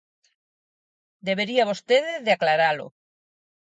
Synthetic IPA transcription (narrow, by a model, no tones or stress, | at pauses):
d̪eβeɾiaβost̪eðeðeaklaɾalo̰